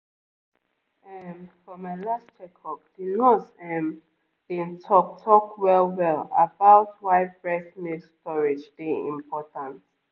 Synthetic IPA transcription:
ɛnfɹɔmajlast͡ʃʰɛkʰɔk̚d̥inosɛm | d̥ĩntʰɔk̚tʰɔkwɛlwɛla̰bawtwajbɹɛθmistɔɹid͡ʒdiḭ̃mpʰɔtʰãnt

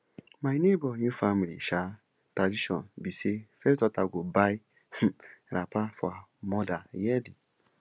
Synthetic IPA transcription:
majnebɔnjũfamilḭʃa | tɾadiʃɔ̰̃nbisefɛstɔtaɡobai | ɾapafɔamɔdajɛdi

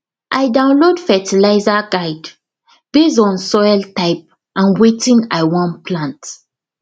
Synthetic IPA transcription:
ʔajdãʊ̃nlodfɛtilaɪzaɡaɪd | b̥ezɔ̃nsɔjltaɪp̚ | ʔãnwetĩnaɪwɔ̃npʰlãnt

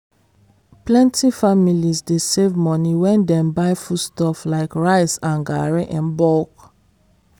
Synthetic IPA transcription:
plɛ̃ntʰifamilizdesevmɔniwɛ̃ndɛ̃mbaɪfustɔflaɪkɹaɪsãnɡaɹeʔɛ̃nbɔlk

